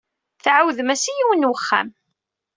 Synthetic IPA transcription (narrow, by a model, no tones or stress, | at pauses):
θʕawðmæsijiwənwəχːæ̰m